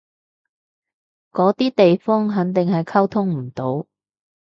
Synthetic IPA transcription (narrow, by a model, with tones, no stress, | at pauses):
kɔː˨˥t̪iː˥t̪e˨jfɔː˥ŋɦɐ˨˥ŋt̪ɪ˨ŋɦɐ˨jkʰɐ˥wt̪ʰʊ˥ŋm̩˨˩t̪o˨˥w